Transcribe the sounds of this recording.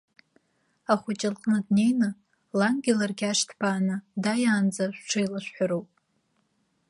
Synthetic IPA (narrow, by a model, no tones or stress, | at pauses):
aχʷʊt͡ʃʼɪlqʼnɨdne̞jnɨ | laŋɡʲilarɡʲaʂtʰpʰaːnɨdajaːnd͡zaʃᶣʷʈ͡ʂʰɨjlaʃʷᶣħʷaɾowpʼ